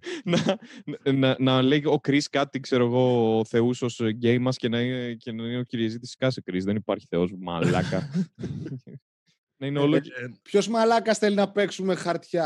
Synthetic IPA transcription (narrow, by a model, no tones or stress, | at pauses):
nɐ | nɐnɐleio̞kɾiskɐt̪ikse̞ɾo̞eɣo̞ːθe̞uso̞sɟe̞jmɐsce̞nɐinece̞nɐineociɾiɐzit̪iskɐsekɾizðenipɐɾçi̥θe̞o̞smɐ̰lɐ̰kɐ | nɐineo̞lopço̞zmɐlɐkɐsθelinɐpe̞ksume̞xɐɾt̪çɐ